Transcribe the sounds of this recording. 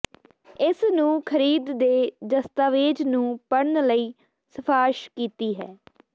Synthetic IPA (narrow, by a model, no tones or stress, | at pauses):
ɪsnũːkʰəɾiːd̪d̪eːd̪əst̪aːʋeːd͡ʒnũːpəɽnləiː | səpʰaːɪʃkiːt̪iːɦɛː